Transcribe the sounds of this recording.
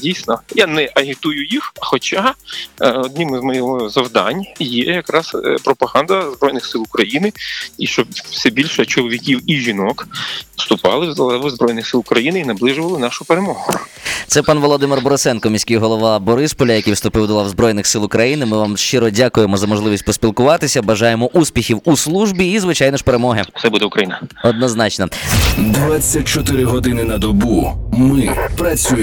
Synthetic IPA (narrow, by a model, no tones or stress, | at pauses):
dʲijsʲnɔjanɛʔɐɦʲɪt̪ujʊjixxɔt͡ʃa | ɔd̪nɪmɪzmɔjɔɦɔzɐwd̪ɑ̰nʲjɛjɐkɾɑspɾɔpɐɦɑnd̪ɐzbɾɔjnɪxsɪlˠʊkɾɐjinɪiʃt͡ʃɔpwsɛbʲilʲʃɛt͡ʃɔlˠɔʋʲikʲiwiʒʲinɔkst̪ʊpɑ̰lˠɪzbɾɔjnɪxsɪlˠkɾɐjinɪinɐblˠɪʒʊʋɐlˠɪnɑʃʊpeɾemɔɦʊt̪sɛpɑnʋɔlˠɔd̪ɪmɪrbɔɾɔsɛnkɔmʲisʲkɪjɦɔlˠɔʋɑbɔɾɪspɔlʲɐjɐkʲijwst̪ʊpɪwd̪ɔlˠɑwzbɾɔjnɪxsɪlˠʊkɾɐjinɪmɪʋamʃt͡ʃɪɾɔdʲakʊjemɔzɐmɔʒlˠɪʋʲisʲt̚ʲpɔspʲilˠkʊʋɑt̪ɪsʲɐbɐʒɑjemɔʔuspʲixʲiwuslˠuʒbʲiːzʋɪt͡ʃɑjnɪʃpeɾemɔɦɪt̪sɛbud̪ɛʊkɾɐjinɐɔd̪nɔznɑt͡ʃnɔd̪ʋat͡sʲːɐt̚ʲt͡ʃɔt̪ɪɾɪɦɔd̪ɪnɪnɐd̪ɔbumɪpɾɐt͡sʲuj